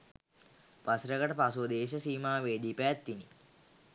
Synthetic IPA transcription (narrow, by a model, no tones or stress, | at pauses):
pasɾəɡəʈəpasuəd̪eːʃ̬əsiːmaːʋeːd̪iːpəjt̪ʋini